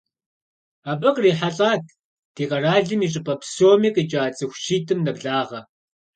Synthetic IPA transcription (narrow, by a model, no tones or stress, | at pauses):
aːpʼɐqʼriːħaɬʼaːtʰ | d̥ʰiːqɐraːɮɨmiːɕʼɪpʼɐpʰsoːmiːqʼiːt͡ʃʼaːt͡sʼɨxʷʃiːtʰɨmnɐbɮaːʁɐ